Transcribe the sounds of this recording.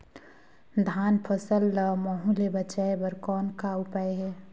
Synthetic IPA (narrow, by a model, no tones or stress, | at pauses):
d̪ʱaːnpʰəsəlːmɔːɦũlebɐt͡ʃaːebəɾkɔːnkaʊpaeɦɛː